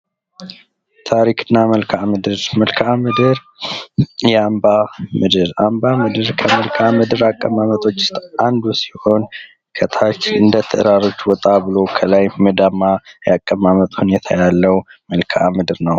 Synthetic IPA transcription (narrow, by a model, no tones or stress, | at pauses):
t̪ʰaɾikʰɨnːaməlkʰamɨd̪ɨɾməlkʰamɨd̪ɨɾ | jɛambamɨd̪ɨɾambamɨd̪ɨɾkʰəməlkʰamɨd̪ɨɾakʼːəmamət̪ʼot͡ʃːɪ̥st̪ʔand̪usi̥ho̞n | kʰət̪ʰat͡ʃːɨnd̪ət̪ʰə̰ʔɨɾaɾo̞t͡ʃːwɔt̪ʼaβɨlo̞kʰəlajməd̪amːajakʼːəmamət̪ʼhunet̪ʰajalːəwməlkʰamɨd̪ɨɾnəw